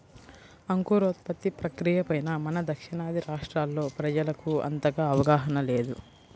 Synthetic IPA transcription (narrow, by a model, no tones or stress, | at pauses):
ɐŋkuːɾoːt̪pɐt̪ːipɾɐkɾijɐpɐjnɐmɐnɐd̪ɐkʂiɳaːd̪ʱiɾaːʂʈɾaːlːo̞ːpɾɐd͡ʒɐlɐkuɐ̰nt̪ɐɡaːʋɐɡaːɦɐnɐle̞ːd̪u